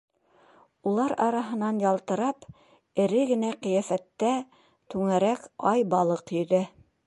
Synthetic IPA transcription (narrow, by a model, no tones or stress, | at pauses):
ulˠɑɾɑɾɑɦɤ̆nɑnjɑlˠt̪ɤ̆ɾɑp | ɘ̆ɾɘɡɘ̆næqĭjæfæt̪ːæ | t̪ʉŋæɾækɑjbɑlˠɤqjɵ̆ðæ